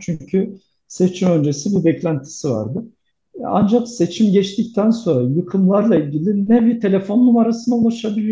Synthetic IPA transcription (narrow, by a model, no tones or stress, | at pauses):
t͡ʃʰyɲcʰy | se̞t͡ʃʰimø̞nd͡ʒe̞sibubɛclʲænt̪ʰi̥siva̰ɾd̪ɯ | a̰nd͡ʒakse̞t͡ʃʰimɟɛt͡ʃt̪ʰic̚t̪ʰænso̞nɾajɯkʰɯmlˠaɾlˠailʲɟilʲinɛbiɾt̪ʰe̞lʲefo̞nːumaɾasɯnd̪aulˠaʃabilʲijo